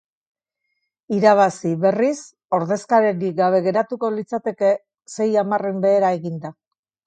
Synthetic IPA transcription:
iɾaβ̞asiβe̞ris | o̞ɾðe̞skaɾeɾiɡaβ̞e̞ɣe̞ɾat̪ukolit͡sat̪e̞ke̞ | se̞jamarembe̞ːɾae̞ɣind̪a

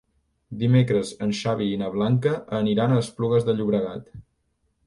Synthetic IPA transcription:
d̪imekɾəzənʃaβiinəβ̞laŋkəʔːniɾanəspluɣəzðəʎuβɾəɣat̪

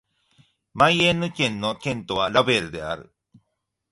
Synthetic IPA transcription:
majenɯkenːokent̪oalaβeɾd̪ea̰ɾɯ

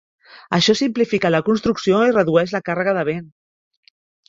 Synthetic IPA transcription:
əʃɔsimplifikələkunst̪ɾuksioirəðuɛʃləkarəɣ̞əðəβ̞en

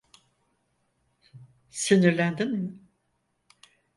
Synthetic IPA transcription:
siniɾlʲænd̪inmɪ

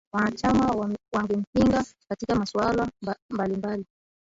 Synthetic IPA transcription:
wanat͡ʃamawaŋɡɛm̩piŋɡakatikamaswalambalimbali

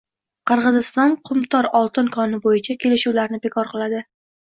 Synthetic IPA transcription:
qʰɨɾʁɨzɪst̪ɒnqʰʊmt̪ʰɒɾɒlˠt̪ɪnkʰɒnɪbojɪt͡ʃʰakʲʰe̞lɪʃuwlaɾnɪbe̞kʰɒɾqɨlˠad̪ɪ

